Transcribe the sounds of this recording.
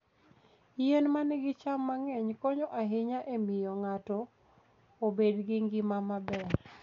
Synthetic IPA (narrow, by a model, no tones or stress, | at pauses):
jenmanɪɡɪt͡ʃamːaŋɛɲkɔɲoʔaɦɪɲaʔemɪjɔŋatɔ | obedɡɪŋɡɪmamabɛɾ